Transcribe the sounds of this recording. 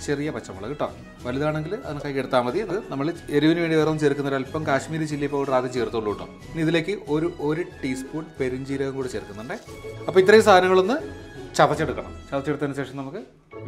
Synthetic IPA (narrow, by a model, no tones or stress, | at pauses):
t͡ɕerijɐpɐt͡ɕːɐmɐɭɐ̰kiʈːo̰ːm | ʋɐliðaːɳe̞ŋɡilɐ̰ðɐnɨkːaːjikːeɽut̪ːaːmʋɐðiɐnɐðɨnɐmːɐɭe̞ɾuʋinɨʋe̞ːɳɖiʋeːrmt͡ɕeːɾkːunːɐðɐlpːɐmkaːɕmiːɾɨt͡ɕilːipːoːɖraːd̪ɐt͡ɕeːrt̪ːuuɭːuːʈːo̰ːm | niðile̞ːkːɨʔo̞ɾuʔo̞ɾuʈiːspuːɳpe̞ɾuɲd͡ʑiːɾɐɣɐmkuːɽɨt͡ɕeɾkːunːuɳɖe | ɐpːoit̪ːrɐjumst̪ʰaːd̪ɐnɐŋːɐɭonːɨt͡ɕɐbɐt͡ɕːe̞ɽukːɐɳɐ̰mt͡ɕɐbɐt͡ɕːeɽut̪ːɐnuɕe̞ːʂɐmnɐmukːɨ